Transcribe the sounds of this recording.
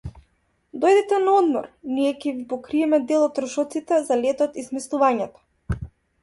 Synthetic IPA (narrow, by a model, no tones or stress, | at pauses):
d̪ɔjd̪ɛt̪ɛnaɔd̪mɔ̰ɾniɛcʲɛvipɔkɾiɛmɛd̪ɛlˠɔt̪ːɾɔʃɔt̪sit̪ɛzalɛt̪ɔt̪ismɛslˠuvaɲɛt̪ɔ̥